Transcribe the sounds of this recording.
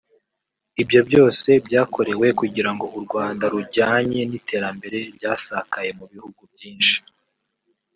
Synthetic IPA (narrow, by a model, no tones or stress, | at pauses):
ibjo̞bjo̞ːse̞bɟaːko̞ɾe̞we̞kuɟiɾaŋɡo̞ʔuɾɡwaːndaɾuɟaːɲe̞nitʰe̞ːɾambe̞ɾe̞bjaːsakaje̞muβihuɡubjiːnʃi̥